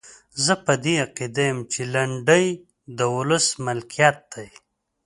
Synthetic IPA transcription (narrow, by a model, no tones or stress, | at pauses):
zəpad̪eaqid̪ajəmt͡ʃelaɳɖəj | d̪əwʊləsmɪlkijɑt̪̚d̪̥aj